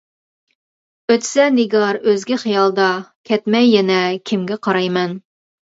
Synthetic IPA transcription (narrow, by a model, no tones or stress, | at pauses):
øt̪sɛnɪɡɑɾøzɡʲɪχɨjɑlˠd̪ɑkʲʰɛt̪mɛjːɛnɛkʲʰɪmɡʲɛqʰɑɾɑjmɛn